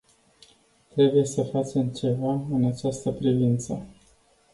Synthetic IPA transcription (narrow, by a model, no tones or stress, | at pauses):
t̪ɾe̞buje̞səfat͡ʃe̞mt͡ʃe̞vaɨnat͡ʃast̪əpɾivint̪sə